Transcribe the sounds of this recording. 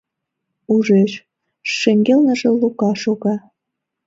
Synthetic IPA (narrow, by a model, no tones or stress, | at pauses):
uʒeʃ | ʃeŋɡelnəʒĕlukɑʃoɣɑ